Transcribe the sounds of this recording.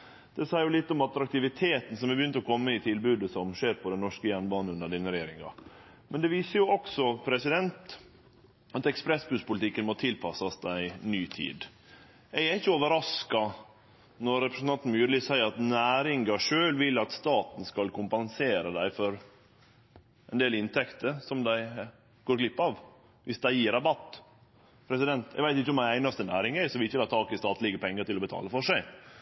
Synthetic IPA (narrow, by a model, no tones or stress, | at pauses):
d̪̥ɛsæɪɾjʊlɪt̪ːɔmɑt̪ɾɑk̚t̪ɪʋɪt̪ʰeːt̪n̩sɔmɛbjʏnt̪əɔkʰɔmːəɪt̪ʰɪlbʉːd̪əsɔmʂeːɾpʰɔd̪ɛnɔʂkəjænbɑːn̩ʉnd̪əɖɪnəɾɛjeːɾɪŋɑ̰ | mʔɛnd̪ɛʋiːsəɾjʊɔksɔpʰɾɛsɪd̪ɛnt̪ | ɑt̪ɛkspɾɛsbʉːspʊlt̪ɪkːənmoːt̪ʰɪlpʰɑsɑsd̪æɪnyːt̪ʰḭːd̪ | ææɾɪçːəoːʋəɾɑskɑ | nɔɾːɛpɾəsnɑnt̪n̩myːɾliːsæɪəɾɑt̪næːɾɪŋɡɑʂøːlʋɪlːɑt̪st̪ɑːt̪n̩skɑlkʰʊmpɑnseːɾəd̪æɪfɔɾ | ɛnd̪eːlɪnt̪ʰɛkt̪əɾsɔmd̪æɪ | ɡ̥oːɾklɪpːɑʋ | ʋɪsd̪æɪjiːɾɑbɑt̪ː | pʰɾɛsɪd̪ɛnt̪jɛ̰ɡʋæɪɪçːəɔmæɪæɪnɑst̪ənæːɾɪŋæsɔʋɪɪçːəlɑːt̪ʰɑːkɪst̪ɑːt̪lɪɡəpʰɛŋːəɾʈ̪ɪlɔbət̪ʰɑ̰ːləfɔʂæɪ